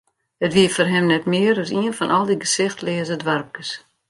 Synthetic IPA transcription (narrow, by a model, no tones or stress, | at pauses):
ətʋiəfɔrɦɛmnɛtmɪəɾəsiənfɔnʔɔlˠdiɡəsɪxtlɪəzədʋarp̚kəs